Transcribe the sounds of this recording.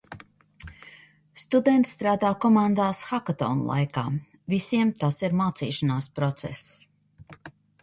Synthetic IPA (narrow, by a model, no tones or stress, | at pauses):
st̪ud̪ɛnt̪st̪ɾaːd̪aːkɔmand̪aːsxakat̪ɔ̰ːnlˠa̰jka̰ː | visiɛmt̪asiɾmaːt̪sḭːʃanaːspɾɔt̪sɛ̰s